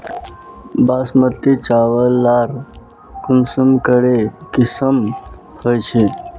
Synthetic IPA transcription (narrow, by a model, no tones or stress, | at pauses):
basmət̪ːit͡ɕaʋəlːaɾ | kumsəmkəɽekisəm | hojt͡ɕʰe